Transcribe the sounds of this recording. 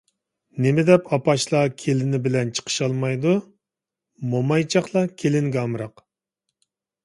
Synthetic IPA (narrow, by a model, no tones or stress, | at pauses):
nemɪd̪ɛpɑpɑʃlˠɑkʲʰelɪnɪbɪlɛnt͡ʃʰə̥qʰə̥ʃɑlˠmɑjd̪u | momɑjt͡ʃʰɑχlˠɑkʲʰelɪŋɡʲɛɑmɾɑq